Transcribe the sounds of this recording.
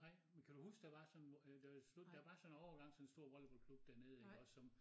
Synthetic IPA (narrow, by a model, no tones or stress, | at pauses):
ɑ̈ɪ̰menkʰæd̥uhusɡ̥d̥æʋɑ̈sɒ̽nd̥æslud̥d̥æʋɑ̈sɒ̽nɒ̰ːɡ̥ɑ̈ŋ̰sɒ̽nensd̥o̝ɐ̰ʋɒl̰b̥ɒ̽lkʰlub̥d̥æɐne̝ð̞̩ˠeɡ̥ɒ̽sɒ̽m